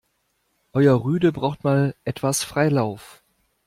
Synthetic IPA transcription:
ʔɔʏɐʁyːdəbʁaʊxtmaːlʔɛtv̥asfʁ̥aɪlaʊf

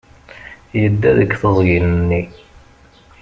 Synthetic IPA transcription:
jəd̪ːæðəkːθəzˤjinnːi

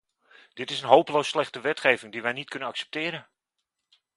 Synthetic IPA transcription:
d̥ɪtɪsənɦowpəlowsːlɛχtəʋɛtχejvɪŋdiʋɛjnitkɵnənɑksɛ̥p̚tɪːɾən

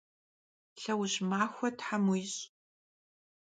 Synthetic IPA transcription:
ɬɐwʑmaːxʷɔtħamʊjɕ

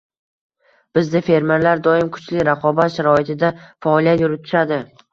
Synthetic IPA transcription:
b̥ɪzd̪ɪfe̞ɾme̞ɾlaɾd̪ɒɪmkʰʊ̥t͡ʃʰlɪɾaqʰɒbat̪ʃaɾɒɪt̪ʰɪd̪afaɒlˠijat̪jʊɾɪt̪ʰʊ̥ʃad̪ɪ

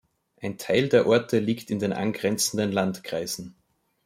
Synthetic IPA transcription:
ʔaɪntʰaɪldeːɐʔɔɐtʰəliːktɪndeːnʔa̰nɡʁɛnt͡sən̩dənlantkʁ̥aɪz̥n̩

